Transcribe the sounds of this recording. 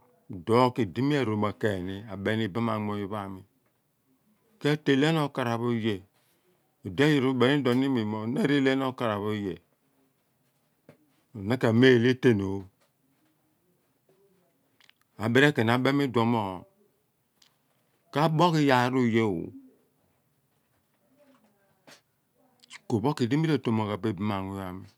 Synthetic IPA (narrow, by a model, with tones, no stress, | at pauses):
do˦ki˨di˦mi˦e˨ɾo˨ma˨ke˨ni˦a˨be˦ni˨ba˦ma˨mo˨ji˨βa˦˨mi˨ | ke˦te˨le˦n˦o˦˨ka˨ɾa˨βo˦je˨ | o˨de˦ji˨ɾu˦be˨ni˦do˨ni˦mi˨mo˨ne˦ɾe˦le˦n˦o˦ka˨ɾa˨βo˦je˨ | na˦ka˨me˦˨le˦te˦no˨˦ | a˨be˦ɾe˦ke˨n˨a˨be˦mi˦do˨mo˦˨ | ka˦bo˦ki˦ja˨ɾu˦˨je˦˨wo̰˨ | ko˨bo˦ki˨di˦mi˦ɾe˦˨to˨mo˨ka˨be˦˨bi˦ma˨ŋu˨˦ja˨mi˨